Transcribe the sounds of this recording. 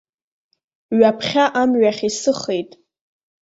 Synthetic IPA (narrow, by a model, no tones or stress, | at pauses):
ɥapʰχʲaʔamɥaχʲisɨχejtʼ